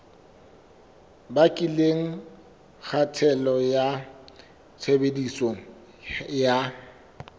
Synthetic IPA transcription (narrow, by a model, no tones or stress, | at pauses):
bakʼileŋ̩ | k͡xʰatʰɛlɔja | t͡sʰebedisoŋ̩ | ja